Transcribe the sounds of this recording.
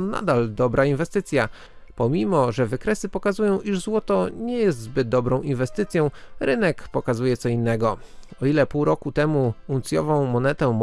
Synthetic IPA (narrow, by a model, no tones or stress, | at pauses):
na̰d̪ald̪ɔbɾainvɛst̪ɘt̪sʲja | pɔmʲimɔʐɛvɘkɾɛsɘpɔkazujɔ̃w̃ʔiʐzwɔt̪ɔɲɛjɛs̬t̪zbɘd̪̚d̪ɔbɾɔ̃w̃invɛst̪ɘt̪sʲjɔ̃w̃ɾɘnɛkpɔkazujɛt̪sɔinːɛɡɔ | ɔilɛpuwɾɔkut̪ɛmuunt̪sʲjɔ̰vɔ̃w̃mɔnɛt̪ɛm